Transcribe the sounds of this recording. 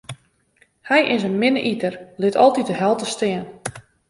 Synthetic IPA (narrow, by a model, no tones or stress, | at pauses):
hɛjʔɪsənmɪnəʔitərlɪtʰɔlˠtit̚dəɦɛlˠtəstɪən